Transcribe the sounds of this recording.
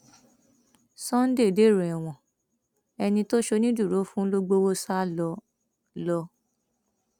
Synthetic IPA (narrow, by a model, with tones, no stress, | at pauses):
sɔ̃˦n̩˦de˦˨de˦˨ɾẽ˨ɛ˨w̃ɔ̃˨ | ɛ˧nĩ˧to˦ʃo˧nĩ˦du˦˨ɾo˨˦fũ˦lo˦ɡ͡bo˦wo˦sa˦lɔ˧ | lɔ˧